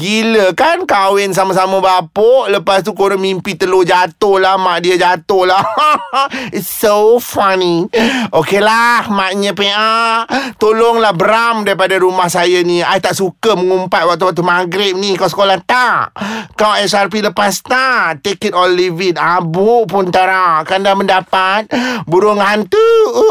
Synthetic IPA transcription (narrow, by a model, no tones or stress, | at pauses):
ɡiləkankawɪns̬amas̬aməbapoʔləpast̪ukoɾamimpit̪əlod͡ʒat̪ʊhlahmaʔdiəd͡ʒat̪ʊhla | itsofaniʔokelahmaʔɲəpeʔat̪olɔŋlahbəɾamdaɾipadaɾumahsajaniajt̪aʔsukəməŋumpat̪̚wak̚t̪uwak̚t̪̬umaɡɾɪp̚nikawsə̥kolaht̪aʔkawasarp̬iləpast̪at̪ekət̪ɔlivit̪̚abuʔpʊnt̪aɾakandaməndapat̪̚buɾʊŋant̪u